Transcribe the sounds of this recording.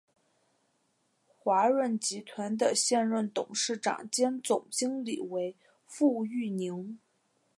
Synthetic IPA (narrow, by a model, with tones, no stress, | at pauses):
xwa˧˥ɻə˥˩nt͡ɕi˧˥t̪ʰwa˧˥nd̪ə˨ɕjɛ˥˧nɻə˥˩nt̪ʊ˨˩ŋʂɻ̩˥˩ʈ͡ʂɑ̰˨˩ŋt͡ɕjɛ˥nt͡sʊ˨˩ŋt͡ɕi˥ŋli˨˩we˧˥ɪ | fu˥˧y˥˩ni˧˥ŋ